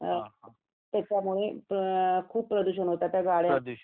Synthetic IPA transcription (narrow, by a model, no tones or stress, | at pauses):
t̪jat͡ɕjamuɭe | kʰuːpːpɾəd̪uɕənɦot̪at̪jaɡaɭja